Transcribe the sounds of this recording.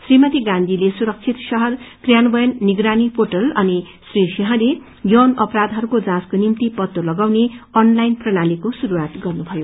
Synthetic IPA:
srimʌt̪iɡãnd̪ʱilesuɾʌk̚t͡sʰit̪sʌɦʌrkrjanbʌjʌnːiɡɾanipʰoʈʌlʌni | srisiɦʌ̃le | jʌnʌpɾad̪ʱɦʌɾukod͡zãskonimt̪ipʌt̪ːolʌɡawneʌnlajnprʌñalikosuɾuwat̪ɡʌrnubʱʌjo

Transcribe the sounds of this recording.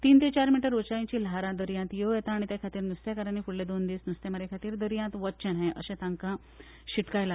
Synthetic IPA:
t̪iːnt̪et͡ɕaɾmiʈəɾot͡ɕajĩt͡ɕiːlaɾãd̪əɾjãnt̪jejɛt̪aːɽ̃it̪jakʰat̪iːɾnust̪jakəɾanikuɽled̪ond̪iːsnust̪eməɾekʰat̪iːɾd̪əɾijãt̪ʋətt͡ɕəɽɦẽʔə̰ɕẽt̪ãŋkã | ɕiʈkajla

